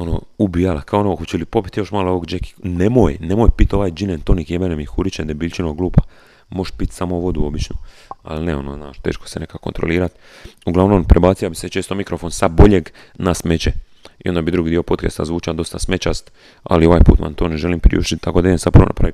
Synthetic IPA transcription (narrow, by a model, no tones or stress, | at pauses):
ono̰ubijalakʰaonooxot͡ɕelipo̞pi̥t̪jo̞ʃmaːlooʋoɡd͡ʒeki̥nemoːjnemoːjpit̪o̞ʋajd͡ʒinent̪onikjebenemixuɾit͡ʃend̪abiːʎʲt͡ʃinoɡluːpa | mo̞ʃpit̪samo̞ʋo̞d̪uo̞bit͡ʃnu | a̰lneo̞noznaːʃt̪e̞̰ːʃko̥sene̞kakont̪ɾo̰liːɾat̪uɡlaʋnompɾebaːt̪siabiset͡ʃeːst̪omikɾofonsad̪bo̞ʎeɡ | nasmet͡ʃe | ḭo̞nd̪abid̪ɾuɡiːd̪io̞pot̪kest̪a̰zʋuːt͡ʃad̪o̞st̪asme̞t͡ʃast̪ | a̰lio̞ʋajpṵt̪ma̰nt̪oːneʒe̞limpɾḭṵʃt̪it̪t̪ːakod̪aeensad̪punonʔa̰pɾa̰ʋi